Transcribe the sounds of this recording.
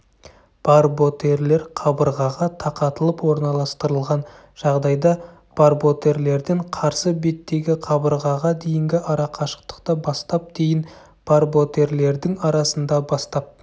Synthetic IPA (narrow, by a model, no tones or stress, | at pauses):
b̥ɑɾbo̞t̪e̞ɾle̞ɾqʰɑbəɾʁɑʁɑt̪ʰɑqɑt̪əlˠəpwo̞ɾnɑlˠɑst̪əɾəlˠʁɑn | ʒ̥ɑʁd̪ɑjd̪ɑ | b̥aɾbo̞t̪e̞ɾle̞ɾd̪ɪɴqʰɑɾsəbe̞t̪ːe̞ɡʲɪqʰɑbəɾʁɑʁɑd̪e̞jɪŋɡʲɪʔɑɾɑqʰɑʃə̥qt̪ə̥qt̪əbɑst̪ɑp̚d̪̥e̞jɪn | b̥ɑɾbo̞t̪e̞ɾle̞ɾd̪ɪŋɑɾɑsənd̪ɑbɑst̪ɑp̚